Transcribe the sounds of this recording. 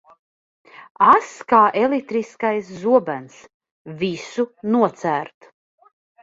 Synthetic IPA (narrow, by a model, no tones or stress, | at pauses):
askaːʔelik̚t̪ɾiskajs̬ːuɔbæns | visunuɔt̪sæːɾt̪